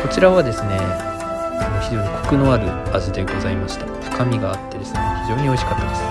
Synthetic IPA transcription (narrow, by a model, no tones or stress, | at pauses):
ko̞t͡ɕiɾaβad̪e̞sɨne̞ | anoçiʑo̞ːɲ̟ikʰo̞̥kɯ̟no̞aɾɯ̟azɨd̪e̞ɡo̞zaimaɕi̥t̪a | kamʲiɡaːt̪ːe̞d̪e̞sɨneçiʑo̞ːɲ̟io̞iɕi̥kat̪ːad̪esɨ̥